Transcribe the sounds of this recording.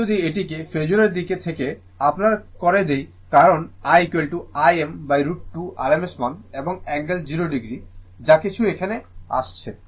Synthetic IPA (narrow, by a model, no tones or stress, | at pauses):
od̪ieʈ̬ikefed͡ʑoɾeɾd̪iket̪ʰeke | apnaɾkɔɾed̪ej | kaɾonajkelʈuajembajɾuʈʈuʔa̰ɾemesmɔneboŋɛŋɡeld͡ʑiɾoɖiɡɾi | d͡ʑakit͡ɕʰuekʰanea̰ʃt͡ɕʰe